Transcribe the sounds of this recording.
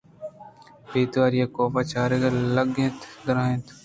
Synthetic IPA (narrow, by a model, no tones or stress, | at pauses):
peːt̪ʋaːɾɪjaːkoːpaːt͡ʃaːɾeɡələɡẽːt̪d̪əɾãːẽːt̪